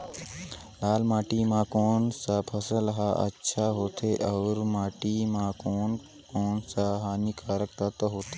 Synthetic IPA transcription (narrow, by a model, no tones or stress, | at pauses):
laːlmaːʈimãːkoːnsapʰəsəlɦaʔɐ̰tːʃʰaɦoːt̪ʰeʔɐːɾmaːʈimãkoːn | koːnsaɦaːnikʰaːɾək̚t̪at̪ɐɦoːt̪ʰe